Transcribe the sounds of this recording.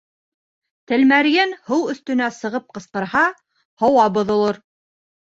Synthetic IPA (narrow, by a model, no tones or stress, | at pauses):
t̪ɘ̆lmæɾjɘnhɤwɵ̆θt̪ɵ̆næsɤ̆ʁɤp̚qɤ̆sqɤ̆ɾhɑ | hŏwɑbŏðŏlˠoɾ